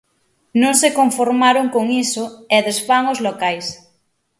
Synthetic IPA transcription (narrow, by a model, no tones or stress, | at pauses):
nõŋsekoɱfoɾmaɾoŋkoŋisoeðesfaŋozlokajs